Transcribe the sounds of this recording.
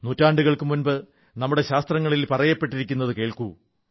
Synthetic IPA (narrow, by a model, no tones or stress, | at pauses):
nutːaːɳɖuɣɐɭkɨmunbɨ | nɐmːuɽe̞ɕaːst̪rɐŋːɐɭilpɐrɐjɐpːe̞ʈːiɾikʲːunːɐðɨke̞ːɭku